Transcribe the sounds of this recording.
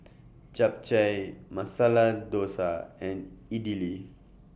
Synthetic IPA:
t͡ʃap̚t͡ʃajmɐsalad̪oːsaɛ̃niɖili

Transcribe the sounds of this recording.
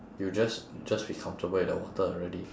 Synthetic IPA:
jud͡ʒasd͡ʒaswikʰɔ̃mtəbədə̰wɔ̰təɔlɹɛdi

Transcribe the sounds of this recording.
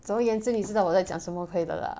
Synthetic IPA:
t͡sʊŋjɛnʈ͡ʂɻ̩niʈ͡ʂɻ̩ɑwɔt͡sajɑ̰ŋʂəmɔkʰɤid̪ə̰lə̰

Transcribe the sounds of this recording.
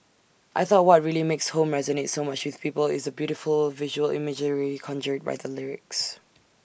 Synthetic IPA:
ʔaɪθɔt̚wɔt̚ɹilimekshõmɹɛzənetsomat͡ʃwɪð̥pipəlɪ̰zəbjuɾɪfəlˠvɪʒəwəlɪ̰məd͡ʒəɹikʰɔ̃nd͡ʒət̚ba̰ɪðəlɪɹɪ̰ks

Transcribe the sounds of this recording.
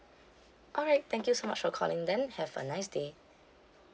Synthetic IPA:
ʔɔlɹaɪt̚t̪ɛ̃ŋkjusomat͡ʃfɔkʰɔ̰lɪ̃ŋdɛ̃nhɛvə̰naɪsde

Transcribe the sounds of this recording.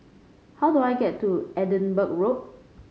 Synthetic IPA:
haʊduajɡɛtʰːuɛdə̃nbək̚ɹot̚

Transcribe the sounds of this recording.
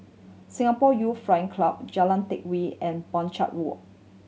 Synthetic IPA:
sĩŋapɔjufɹãjə̃ŋkʰlap̚d͡ʒalãntɪk̚wiɛ̃nbɔ̃nt͡ʃa̰t̚ɹɔ

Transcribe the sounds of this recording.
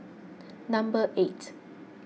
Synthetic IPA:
nãmbəʔet

